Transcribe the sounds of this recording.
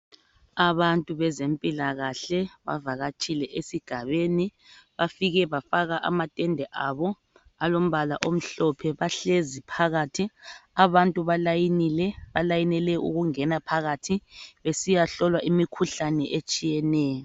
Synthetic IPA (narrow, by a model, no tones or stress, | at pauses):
aβantʼuβɛzempʼilaɣaɬɛβa̰vaɣat͡ʃʼilɛʔesiɡ̥ʱaβeni | βafiɣɛβafaɣaʔa̰matʼɛndʱɛʔaβɔ | alom̩βala̰ʔom̩ɬɔpʰɛβaɬezipʰaɣatʰiaβantʼuβalajinilɛβalajinɛlɛʔṵɣuŋɛnapʰaɣatʰiβesijaɬɔlwaʔimikʰuɬanɛʔet͡ʃʼijɛnɛːjɔ